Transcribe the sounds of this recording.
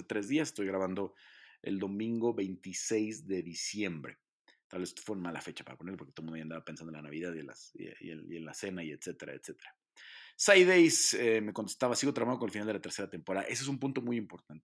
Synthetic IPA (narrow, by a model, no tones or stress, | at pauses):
et̪ɾe̞zðias̬e̥st̪ojɣɾaβand̪o̞ḛld̪o̞mĩŋɡo̞βe̞jnt̪isejzðe̞ðisje̞mbɾḛ | t̪alβesfweunmalafe̞t͡ʃḁpaɾa̰poneɾlpoke̥t̪omũnjand̪aβapensand̪enlanaβiðaðienla̰sḛenlase̞naiet̪se̞t̪e̞ɾa̰ḛt̪se̞t̪e̥ɾa | sajðejsemekont̪est̪aβasiɣo̞t̪ɾaβaanokonelfinald̪elat̪eɾse̞ɾat̪e̞mpoɾaða̰ʔe̞s̬oe̞s̬umpũnt̪o̞mujimpo̞ɾt̪ant̪e̥